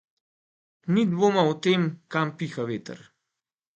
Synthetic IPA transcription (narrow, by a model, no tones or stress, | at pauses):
nid̪ʋoːmaɔt̪eːmkampixaʋeːt̪ə̰ɾ